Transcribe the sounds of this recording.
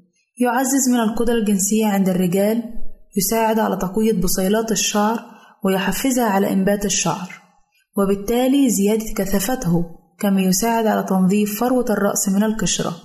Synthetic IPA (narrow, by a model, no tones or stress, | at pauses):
jʊʕazːɪzmɪnalqʊd̪ɾˤɑlɡɪnsɪjːaʕɪnd̪arːɪɡæːljʊsaːʕɪd̪ʕa̰læːt̪ˤɑqɪjːabʊsˤɑjlɑːt̪ɪʃːɑʕɾˤ | wɪjʊħafːɪzhaʕalæ̰ʔɪmbaːt̪ɪʃːɑ̰ʕɾˤ | wɪbɪt̪ːaːliːzɪjæːd̪ɪkæθafat̪hʊ | kamæːjʊsaːʕɪd̪ʕalæːt̪ɑnðˤiːffɑɾˤwaɑrˤːɑ̰ʔsmɪnalkɪʃɾˤɑ̰